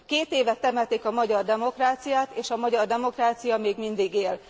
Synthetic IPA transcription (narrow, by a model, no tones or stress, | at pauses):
keːt̪eːvɛt̪ːɛmɛt̪eːkɒmɒɟɒrd̪ɛmo̞kraːt̪sijaːt̪eːʃɒmɒɟɒrd̪ɛmo̞kraːt̪sijɒmeːɡmind̪iɡeːl